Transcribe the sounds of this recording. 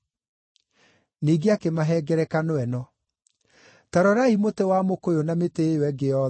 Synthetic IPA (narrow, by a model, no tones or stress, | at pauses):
niːɡeakemaɦɛɡɛɾɛkanoɛnɔ | taɾɔɾaimotewamokojonametewɛɡeɔ